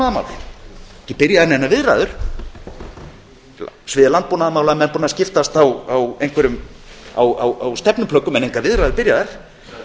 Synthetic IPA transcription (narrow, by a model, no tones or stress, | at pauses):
aðama̰ːwlɪ̰ɛ̥hcɪpɪɾjaðaɾnɛnːavɪðɾa̰ːðʏɾ̥ | svɪːðɪlant̪̚puwnaðmawlamɛnpunascɪft̪ast̪awawejŋkvɛɾʏma̰wa̰wawst̪ɛpnʏmpʰlœkːʏmɛnejŋkʰaɾvɪðɾajðʏɾpɪɾjaðaɾ̥